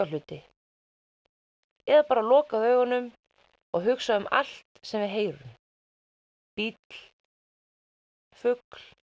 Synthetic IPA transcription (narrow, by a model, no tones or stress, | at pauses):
alʏːt̪ɪ | ɛðapaːɾalɔːkaðœːɥɣɔnːʏm | ɔɣɦʏksaðʏma̰l̥t̪sɛmvɪðɦeːjɾʏm | pit̪l̥ | fʏkl